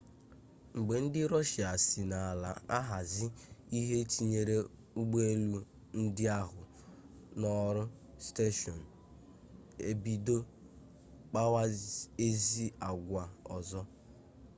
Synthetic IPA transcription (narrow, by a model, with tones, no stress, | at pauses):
ŋ͡m̩˨ɡ͡be˨n̩˦dɪ˦ɾɔ˦ʃɪ˨a˨si˨na˨a˨la̰˨a˦ɦa˨zɪ˦i˦ɦe˦t͡ʃi˦ɲe˨ɾe˦ | u˦ɡ͡be˦lu˦ | n̩˦dɪ˦a˦ɦʊ˨ | nɔ˦ɾʊ˦ | ste˦ʃɔ˨n̩˨ | e˨bi˨do˦ | k͡pa˦wa˦e˦zi˦a˨ɡʷa˨ɔ˨zɔ˦